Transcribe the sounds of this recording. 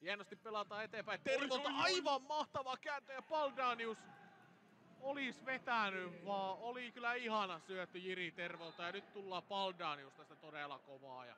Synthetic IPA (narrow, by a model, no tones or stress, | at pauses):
hiænːˑost̪ippelɑt̪ɑːet̪eːmpæit̪erʋoˑlt̪ɑɑiʋɑmmɑht̪ɑʋɑkæːnt̪øjɑpɑldɑːnius | olisʋet̪ænyʋʋɑːolikylæihɑnɑsyæt̪ːyjirit̪erʋolt̪ɑjɑnyt̪t̪ulːɑːpɑldɑːniust̪ɑsi̥t̪æt̪odelɑ̰koʋɑ̰ːjɑ̰